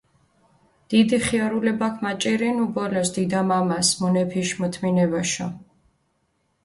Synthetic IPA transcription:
d̪̥id̪iχiaɾulɛbakʰmat͡ʃʼiɾinubɔlɔsd̪id̪amamasmɔnɛpʰiʃmɔt̪ʰminɛbaʃɔ

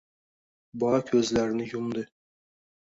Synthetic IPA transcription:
bɒkʲʰɵzlæɾnɪjumd̪ɪ

